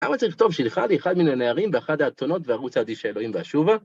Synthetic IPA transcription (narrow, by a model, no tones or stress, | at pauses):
la̰mat͡saʁiχt̪o̞vʃilχalieχad̪minaneaʁimveaχad̪aːt̪ono̞tveaʁut͡sad̪iʃaelo̞himveaʃuva